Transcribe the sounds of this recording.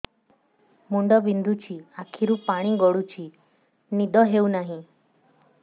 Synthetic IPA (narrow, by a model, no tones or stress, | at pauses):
muɳɖɔbind̪ʱut͡ʃʰiakʰiɾupaɽ̃iɡɔɽut͡ʃʰi | nid̪ʱɔɦeuwnaɦĩ